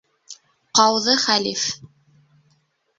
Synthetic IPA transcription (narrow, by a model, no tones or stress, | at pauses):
qɑwðɤχælif